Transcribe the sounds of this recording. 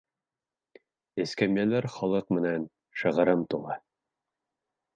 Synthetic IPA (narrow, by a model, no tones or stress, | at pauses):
ɘ̆skæmjælæɾχɑlˠɤqmɘ̆næn | ʃɤ̆ʁɤ̆ɾɤmt̪ulˠɑ